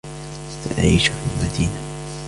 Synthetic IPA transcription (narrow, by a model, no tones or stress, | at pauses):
faʔa̰ʕiːʃafilmad̪iːna